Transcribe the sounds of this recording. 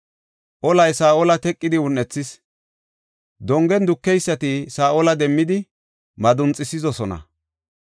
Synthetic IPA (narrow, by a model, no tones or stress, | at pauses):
ʔɔlɐjsaːʔɔlɐt̪ɛkʼːɪd̪ɪʊnːɛt͡sːɪs | d̪ɔŋɡɛnd̪ʊkːɛjsːɐt̪ɪsaːʔolɐd̪ɛmːɪd̪ɪ | mɐd̪ʊnt͡sʼɪsɪzɔsɔnɐ̰